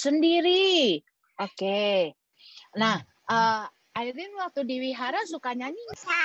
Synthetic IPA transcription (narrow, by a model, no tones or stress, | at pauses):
səndiɾi | ʔoke | nah | ʔə | aiɾinwak̚t̪udiwiɦaɾasukaɲaɲisa